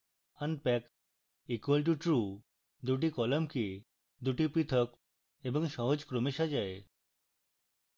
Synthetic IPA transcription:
ənpɛk | ikwəlʈ̬uʈɾu | d̪uʈ̬ikɔləmki | d̪uʈipit̪ʰək | ebəŋʃɔɦod͡ʑkɾomiʃad͡ʑae

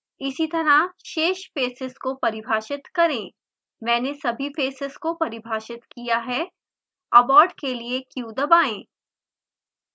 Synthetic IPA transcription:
ɪsit̪ɐɾaʃeːʃfeːsɪskopɐɾɪbʱaːʃɪt̪kɐɾẽː | mɛ̃ːnesɐbʱifeːsɪzkopɐɾɪbʱaːʃɪt̪kijaɦɛ | ɐbɔːɾɖkeliekjuːd̪ɐbaːẽː

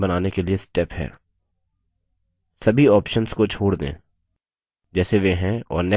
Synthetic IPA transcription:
bɐnaːnekeliesʈɛːpɦɛ̰ː | sɐbʱiɔːpʃənskot͡ʃʰoːɽd̪ḛ̃ː | d͡ʒɛːseʋeɦɛ̃ɔ̰ːɾnɛ

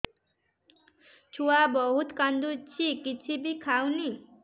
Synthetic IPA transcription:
t͡sʰuwabʌɦut̪kand̪ut͡sʰikit͡sʰibikʰawni

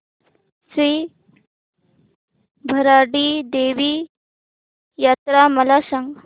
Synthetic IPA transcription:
sɾiː | bʱɐɾaɽid̪eːʋi | jaːt̪ɾamɐlaːsəŋɡ

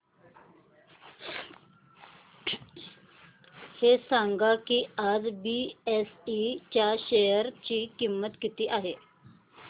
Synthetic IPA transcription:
hesãŋɡakiːad͡zbiesit͡ɕjaɕejəɾt͡ɕiːkimːət̪kit̪iːʔaɦe

